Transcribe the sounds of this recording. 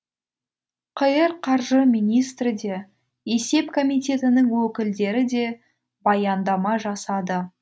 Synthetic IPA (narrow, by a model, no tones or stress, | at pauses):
qʰəjəɾqʰɑɾʒəmijnijst̪ɾɪd̪e̞ | e̞se̞pkʰomijt̪ʲe̞t̪ɪnɪŋwɵkʲɪld̪e̞ɾɪd̪e̞ | bɑjɑnd̪ɑmɑʒɑsɑd̪ə